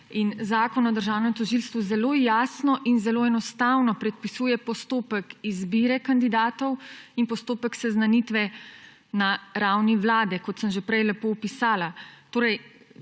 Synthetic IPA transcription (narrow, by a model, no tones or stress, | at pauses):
inzaːkɔnɔd̪əɾʒaːwnɛmt̪ɔʒilst̪ʋuzɛloːjaːsnɔʔinzɛloːɛnɔst̪awnɔpɾɛt̪̚pisuːjɛpɔst̪oːpəkizbiːɾɛkand̪id̪aːt̪ɔwinpɔst̪oːpəksɛznanit̪ʋɛ | naɾawniʋlaːd̪ɛkɔt̪səmʒepɾɛjlɛpoːpisaːlat̪oːɾɛj